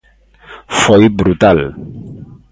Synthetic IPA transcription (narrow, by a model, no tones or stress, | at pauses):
fɔjbɾut̪al